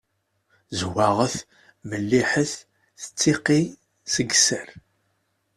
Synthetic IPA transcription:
zwaʁəθ | məlːiħəθ | θə̥t͡sːiqi | səɡsəɾ

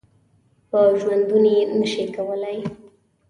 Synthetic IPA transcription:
pəʒwand̪unenəʃekawəlaj

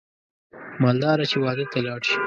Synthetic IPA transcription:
mɑld̪ɑɾat͡ʃewɑd̪ət̪alɑːɽʃi̥

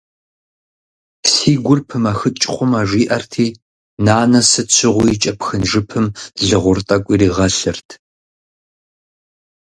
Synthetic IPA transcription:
psiːɡʷʊrpʰɨmaːxɨt͡ʃʼχʷʊmaːʐʷiːʔɐrtʰiː | naːnɐsɨt͡ʃʰɪʁʷʊjt͡ʃʼɐpxɨnʐɨpʰɨmɮɨʁʷʊrtʼɐkʷʼiːriːʁɐɬɨrtʰ

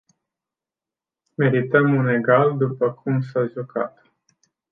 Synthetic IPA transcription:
me̞ɾit̪əmune̞ɡald̪upəkʰumsaʒuka̰t̪

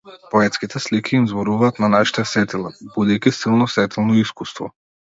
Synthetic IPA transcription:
pɔɛt̪skit̪ʰɛslikʰʲiːmzbɔɾuvaːt̪nanaʃi̥t̪ɛsɛt̪ilˠabud̪ɛjkʲisilˠnɔsvɛt̪ɛlˠnɔiskust̪vɔ̰

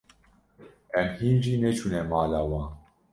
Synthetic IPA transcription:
ɛmhiːnʒiːnɛt͡ʃʰunɛmaːlaːwɑ̃ːn

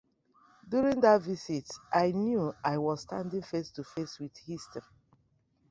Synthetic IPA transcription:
djuɹĩŋdatvisitʔaɪnjuaɪwɔzstãndĩŋfestufeswið̥histəɹi

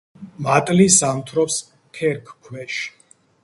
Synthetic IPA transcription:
mat̪ʼlisamt̪ʰɾɔps | kʰɛɾkʰkʰwɛʃ

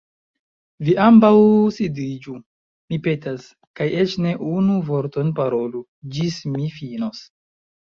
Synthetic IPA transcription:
viʔambawsidid͡ʒu | mipe̞tas | kajet͡ʃne̞ʔunuvo̞ɾto̞npaɾo̞lu | d͡ʒismifinos

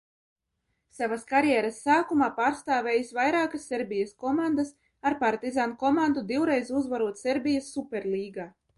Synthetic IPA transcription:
savaskaɾjɛɾasːaːkumaːpaːɾst̪aːvʲejisvajɾaːkasːeɾbʲijaskɔmand̪as | aɾpaɾt̪izankɔmand̪ud̪iwɾɛjzuzvaɾuɔt̪seɾbʲijasːupʲɛɾlˠiːɡaː

